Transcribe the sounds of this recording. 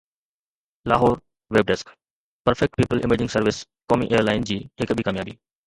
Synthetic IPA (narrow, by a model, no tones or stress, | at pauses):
la̰ːɦoːɾ | ʋeːb̚ɖɛsk | pəɾfɛk̚ʈpiːpəlʔɪ̰meːd͡ʑɪ̃ŋsəɾʋɪs | kɔːmḭʔejəɾlaːɪnd͡ʑiːɦɪkbʱikaːmjaːbiː